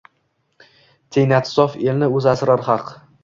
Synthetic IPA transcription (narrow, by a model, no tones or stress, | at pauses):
t̪ʰejnat̪sɒfelnɪɵzasɾaɾχɑq